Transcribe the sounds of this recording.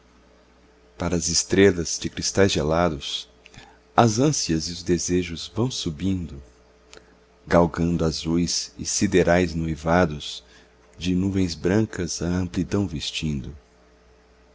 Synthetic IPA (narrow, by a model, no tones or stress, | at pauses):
paɾɐːzɪst̪ɾelɐzd͡ʒɪkɾist̪ajzʒelad̪ʊs | ɐzɐ̃siɐzɪʊzd̪ezeʒʊzvɐ̃w̃subĩnd̪ʊ | ɡawɡɐ̃nd̪ʊazujzɪ̰sid̪eɾajznuivad̪ʊz̥ | d͡ʒɪnuvẽj̃zbɾɐ̃ŋkɐzɐɐ̃mplid̪ɐ̃w̃vist͡ʃĩnd̪ʊ